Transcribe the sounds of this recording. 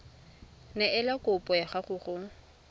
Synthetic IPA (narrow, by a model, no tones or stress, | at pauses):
nɛʔɪlakʼʊpʼɔjaχaχʊːχʊ